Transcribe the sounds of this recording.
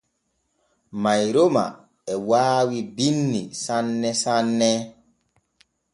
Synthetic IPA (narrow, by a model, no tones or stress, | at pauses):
majɾoma̰ | ɛwaːwibinːisanːɛsanːɛ